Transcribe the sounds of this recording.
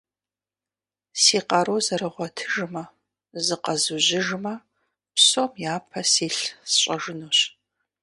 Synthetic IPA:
siːqɐɾozɐɾɨʁʷɔtʰɨʒmɐ | zɨqɐzuʑɪʒmɐ | psomjaːpʰɐsiːɬsɕʼɐʒɨnoːɕ

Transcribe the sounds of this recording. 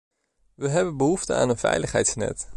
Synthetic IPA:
ʋəɦɛbənbəɦuftə̰a̰ːnənvɛ̰jləχɦɛ̰jtsnɛ̰t

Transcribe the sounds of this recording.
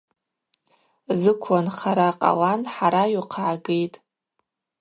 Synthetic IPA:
zɨkʷʰanχaɾaqʼa̰wanħaɾajuqʰaʕaɡejtʼ

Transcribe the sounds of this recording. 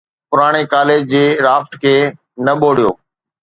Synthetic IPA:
pʊɾaːɽ̃ekaːleːd͡ʑd͡ʑeːɾaːfʈkʰeː | nɐɓoːɽijo̰ː

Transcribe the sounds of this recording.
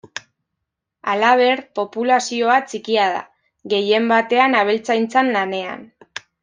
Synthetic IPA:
alaβ̞e̞ɾpo̞pulasio̞at͡sikiað̞a̰ | ɣe̞je̞mbat̪e̞anaβ̞elt͡sajnt͡sanlane̞a̰n

